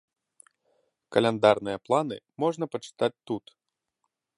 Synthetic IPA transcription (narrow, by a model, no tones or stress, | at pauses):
kɐlʲɛnd̪arnɨjɐplˠanɨ̰mɔʐnɐpɐt͡ʂɨ̥t̪at͡sʲt̪ut̪